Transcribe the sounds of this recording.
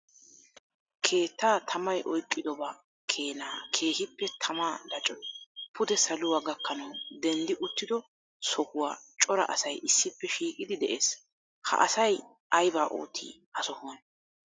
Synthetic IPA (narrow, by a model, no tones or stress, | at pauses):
kʰe̞ːt̪ːaːt̪ʰɐmɐjʔɔjkʼːɪd̪ɔbɐ | kʰe̞ːnaːkʰe̞ːhɪpːɛt̪ʰɐmaːd̪ɐt͡ʃʼɔpʰʊd̪ɛsɐlʊwaːɡɐkːɐnɐwd̪ɛnd̪ɪʔʊt̪ːɪd̪ɔ | sɔkʊwaːt͡ʃʼɔɾɐ̰ʔɐ̰sɐjʔɪsːɪpːɛʃiːkʼɪd̪ɪd̪ɛʔeːs | hɐ̰ʔɐsɐj | ʔɐjbaːʔo̰ːt̪ʰːḭːʔɐsɔhoːn